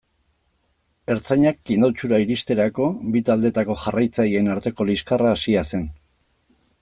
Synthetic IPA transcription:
e̞ɾt͡saɲak̚ːind̪awt͡ʃuɾaiɾist̪e̞ɾako̞bit̪ald̪e̞t̪ako̞xarajt͡sajie̞naɾt̪e̞ko̞liskaraːsiase̞n

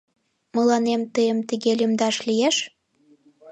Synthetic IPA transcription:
məlɑnemt̪əjəmt̪əɣelʲymd̪ɑʃlijeʃ

